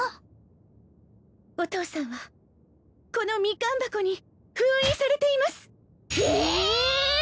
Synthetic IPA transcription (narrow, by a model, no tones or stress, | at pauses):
o̞t̪o̞ːsãɰ̃βa | ko̞no̞mʲikãmbakoɲ̟i | ɸɯ̟̃ĩsaɾe̞t̪e̞imasɨ̥